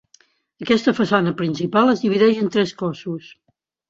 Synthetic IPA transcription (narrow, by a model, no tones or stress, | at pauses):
əkɛst̪əfəsanəpɾinsipalˠəzðiβiðɛʒənt̪ɾɛskɔsus